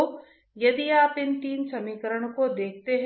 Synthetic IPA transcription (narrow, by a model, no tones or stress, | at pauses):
jɐd̪iaːpɪnt̪iːnsɐmiːkəɾəɽ̃kod̪eːk̚ʰt̪eɦ